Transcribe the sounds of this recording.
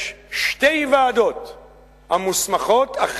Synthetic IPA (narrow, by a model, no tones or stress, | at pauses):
ʃt̪ejvaːd̪o̞t̪ | hamusmaχot̪ʰaχ